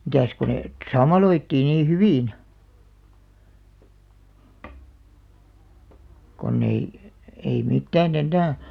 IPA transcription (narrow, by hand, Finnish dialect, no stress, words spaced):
mitæˑs ko neˑ ə̆t sɑmːɑloitːiː niː hyʋiˑn konː ei ei mitːæːn enːæː